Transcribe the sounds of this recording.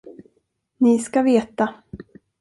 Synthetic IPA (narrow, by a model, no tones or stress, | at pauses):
nɪskaveːt̪a